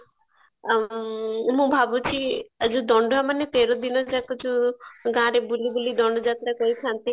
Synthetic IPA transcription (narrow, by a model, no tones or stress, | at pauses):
mũbʱabut͡ʃʰiad͡ʒud̪ɔɳɖɔamanet̪eɾɔd̪inɔd͡ʒakut͡ʃʰuɡãɾebulibulid̪ɔɳɖɔd͡ʒat̪ɾakɔɾikʰãnt̪i